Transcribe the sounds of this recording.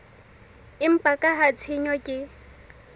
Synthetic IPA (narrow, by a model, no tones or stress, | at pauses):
ɪm̩pʼakʼaɦat͡sʰɪɲɔkʼɪ